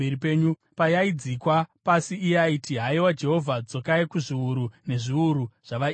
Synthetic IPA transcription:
eɾipe̞ːɲu | pajaid͡zikwapasiːaitiɦaiwad͡ʒe̞ɦo̞vʱad͡zokaikuʐiuɾune̞ʐiuɾuʐ̥aʋa

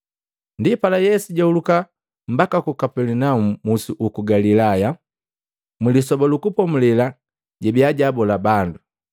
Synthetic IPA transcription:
ndipalajɛsuɟauluka | m̩bakakukapɛlinaumumusuʔukuɡalilaja | milisɔbɔlukupɔmulɛla | ɟɛbiaɟabɔlabandu

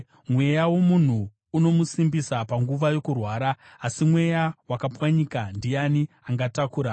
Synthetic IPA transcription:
mwe̞jawo̞mun̤uː | no̞musimbisapaŋɡuʋajo̞kurwaːɾaː | simwe̞jawakapwaɲiːkandijani | aŋɡatakuːɾa

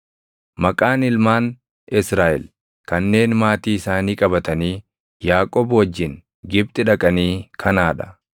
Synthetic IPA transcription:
mɐkʼaːnɪlmaːn | ɪsɾaːʔɛ̰l | kɐnːe̞ːnmaːt̪iːɪsaːniːkʼɐbɐt̪ɐniː | jaːkʼɔbwɐd͡ʒːɪn | ɡɪb̚t̪ʼɪᶑɐkʼɐniːkʰɐnaːᶑɐ̥

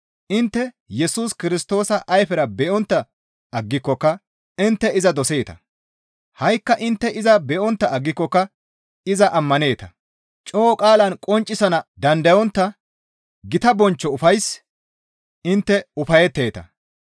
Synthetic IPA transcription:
ʔɪnt̪ːɛ | jɛsuːskɪɾɪst̪o̞ːsɐʔɐjfɛɾɐbɛʔɔnt̪ːɐ | ɐɡːɪkːɔkːɐ | ɪnt̪ːɛɪzɐd̪ɔseːt̪ɐ̰ | hɐjkːɐʔɪnt̪ːɛʔɪzɐbɛʔɔnt̪ːɐɐɡːɪkːɔkːɐ | ɪzɐʔɐmːɐne̞ːt̪ɐ | t͡ʃʼoːkʼaːlɐnkʼɔnt͡ʃʼːɪsɐnɐd̪ɐnd̪ɐjɔnt̪ːɐ | ɡɪt̪ɐbɔnt͡ʃːɔʊfɐjs | ʔɪnt̪ːɛʊfɐjɛt̪ːe̞ːt̪ɐ

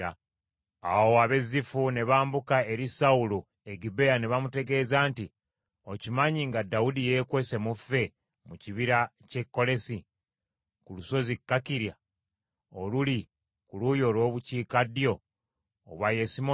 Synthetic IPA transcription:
a | awoaβe̞zifune̞βaːmbukae̞ɾisaulu | eɡibe̞janeβamute̞ɡe̞ːzaːnti | ocimaɲiŋɡadːaudije̞kwe̞se̞mufːe̞ | muciβiɾa | ce̞kːo̞le̞si | kuluso̞zikːakiɾja | oluli | kulujo̞ːlwo̞ːβuciːkadjo̞ː | βwajesimo

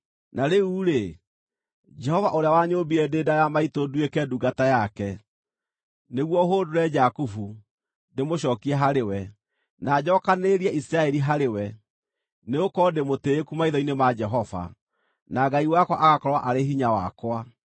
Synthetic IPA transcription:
naɾeuːɾe | d͡ʒɛhɔvaʔoɾeawaɲoːbiɾɛdeːdajamaitoduekɛduːɡatajakɛ | neɣwɔɦodoɾɛd͡ʒakufu | demoɕɔːkiɛɦaɾewɛ | nad͡ʑɔːkaneɾiɛisɾaɛɾiɦaɾewɛ | neokɔdemoteːkumaiðɔinemad͡ʒɛɦɔva̰ | naɡaiwakwa̰ʔaɣakɔɾwaʔaɾeɦiɲawakwa

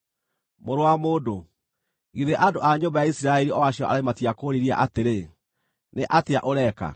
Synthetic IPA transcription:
moɾoamoːdo | iðeʔadoʔaɲoːmbajaisiɾaɛɾiɔwaɕiɔʔa̰ɾematiakoɾiɾia̰ʔateɾe | neʔateaʔoɾɛka̰

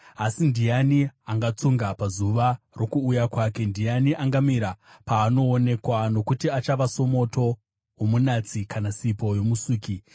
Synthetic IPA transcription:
asindijaniaŋɡat͡suŋɡapazuʋa | ro̞kuːjakwaːke̞ndijaniʔaŋɡamiɾapaːno̞ːne̞kwano̞kutiat͡ʃaʋaso̞mo̞to̞ | womunat͡sikanasipo̞jo̞musuːki

